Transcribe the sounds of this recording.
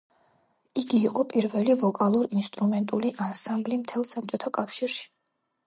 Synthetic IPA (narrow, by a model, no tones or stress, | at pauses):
iɡiːqʼɔpʼiɾvɛlivɔkʼalˠuɾinst̪ʼɾumɛnt̪ʼuliʔansãmblimt̪ʰɛlˠsap̚ʼt͡ʃʼɔt̪ʰakʼafʃiɾʃi̥